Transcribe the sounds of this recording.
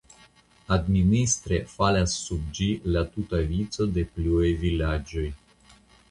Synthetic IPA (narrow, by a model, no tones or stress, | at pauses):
ad̪minist̪ɾefaleassub̚d͡ʒilat̪ut̪avit̪səd̪epluejvilad͡ʒuj